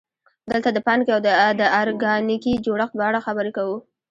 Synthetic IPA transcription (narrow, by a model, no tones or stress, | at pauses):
d̪əlt̪ad̪əpɑnkeawd̪əd̪əɑɾɡɑnikid͡ʒoɽəxt̪̚pəaɽaxabəɾekawu